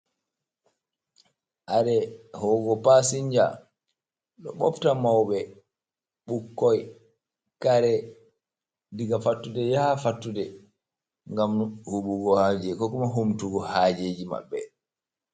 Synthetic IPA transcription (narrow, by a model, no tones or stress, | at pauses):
ʔaɾɛhɔɡɔpasiɲd͡ʒa̰ | ɗɔ̰ɓɔptamawɓɛ | ɓukːɔj | kaɾɛ | diɡafatːudɛjafatːudɛ | ŋɡamhuɓuɡɔhad͡ʒɛkɔkɔmaɦomtuɡɔhaːd͡ʒed͡ʒima̰bːɛ̰